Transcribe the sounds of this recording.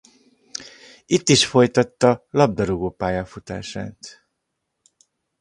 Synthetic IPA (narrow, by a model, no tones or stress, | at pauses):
it̪ːiʃfo̞jt̪ɒt̪ːɒlɒb̚d̪ɒɾoɡoːpaːjaːfut̪a̰ːʃaːt̪